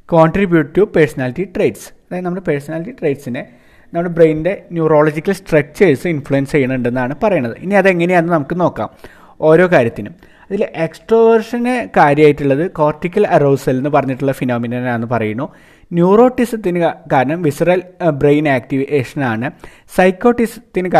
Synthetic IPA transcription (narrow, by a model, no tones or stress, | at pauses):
ko̞ːɳɖribjuːʈʈːupersɐnaːliʈːiʈrejɖsɐðaːjɐðnɐmɐɽe̞persɐnaːliʈːiʈrejɖsinɨ | nɐmːuɽebrejnde̞njuːro̞ːɭod͡ʑikʲːɐlsʈrɐk̚t͡ɕeːɻsɨinfɭuenst͡ɕe̞jːɐɳɐuɳɖe̞nːaːɳɨpɐrɐjuɳːɐðɨʔinːiɐðeŋːɐnejanːɨnɐmukːɨno̞ːkːa̰ːm | o̞ːɾo̞ːkaːɾjɐt̪ːinum | ɐðilʔeksʈroʋɐrʂɐnɨkaːɾjɐmaːjiʈːuɭːɐðɨko̞ːrtːikʲːɐlɐɾɐwsɐlenːɨpɐrɐɲːiʈːuɭːɐfino̞ːminɐenːɨpɐrɐjunɳːu | njuːro̞ːʈːisɐt̪ːinɨkaːɾɐɳɐmʋisɐrɐlbrejnaːk̚ʈiʋiʔeʂɐnaːɳɨ | sɐjkːo̞ːʈːisɨ̥t̪ːinɨkː